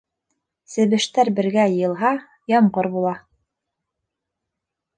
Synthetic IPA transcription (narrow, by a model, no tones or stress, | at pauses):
sɘ̆βɘ̆ʃt̪æɾbɘ̆ɾɡæjɤ̆jɤ̆lˠɦɑ | jɑmɢɤɾbulˠɑ